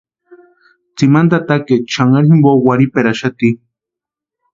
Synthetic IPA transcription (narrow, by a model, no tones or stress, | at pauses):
t͡simand̪at̪aket͡ʃʰaŋaɾɦimbowaɾipeɾaʃat̪i